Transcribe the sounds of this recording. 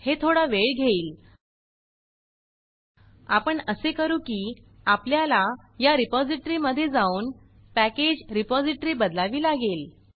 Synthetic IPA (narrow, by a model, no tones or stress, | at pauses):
het̪ʰoɽaʋeɭɡʱeiːl | apəɳəsekəɾuːkiː | apljala | jaɾipɔd͡ziʈəɾiːməd̪ʱːjed͡zauːn | pæked͡ʑɾipɔd͡ziʈəɾiːbəd̪laʋiːlaɡel